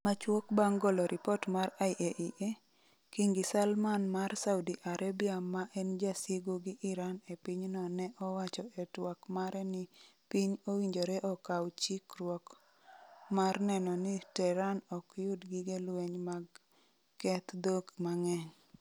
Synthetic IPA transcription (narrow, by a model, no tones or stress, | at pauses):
mat͡ʃwokbaŋɡɔlɔɾʔɪpɔtmaraiʔeʔiʔe | kiŋɡɪsalmanmarsaʊdiʔaɾʔabiamaʔɛnd͡ʒasiɡuɡɪʔɪɾanepiɲnɔnɛʔɔwat͡ʃɔɛtwakmaɾɛnɪpiɲowiɲd͡ʒoɾɛʔɔkawt͡ʃikɾwɔk | marnɛnɔnɪtɛɾanɔkjʊdɡɪɡelweɲmaɡ | kɛt̪d̪oɡmaŋɛɲ